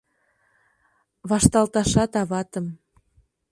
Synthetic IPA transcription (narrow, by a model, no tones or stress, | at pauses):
βɑʃt̪ɑlt̪ɑʃɑt̪ɑβɑt̪ɤ̆m